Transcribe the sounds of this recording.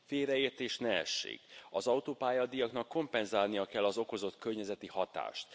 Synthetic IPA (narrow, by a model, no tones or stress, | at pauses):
feːɾɛeːrt̪eːʃnɛɛ̰ʃːḛːɡɒzɒut̪oːpaːjɒd̪ijɒknɒkːo̞mpɛnzaːlnijɒkɛlːɒzo̞ko̞zo̞t̪kørɲɛzɛt̪ihɒt̪a̰ːʃt̪